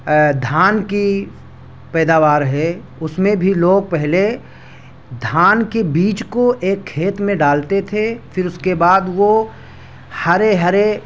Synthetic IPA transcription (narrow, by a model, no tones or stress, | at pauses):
d̪ʱaːnki | pɛːd̪aːʋaːɾɦɛ | ʊsmẽbʱiloːɡ̚pɛɦle | d̪ʱaːnkebiːt͡ʃkoʔeːkʰːeːt̪mẽɖaːlt̪et̪ʰefɪɾʊskebaːd̪ʋo | hɐɾeɦɐɾe